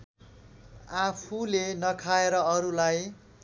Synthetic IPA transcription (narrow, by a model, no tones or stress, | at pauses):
apʰulenʌkʰaeɾʌʌɾulaj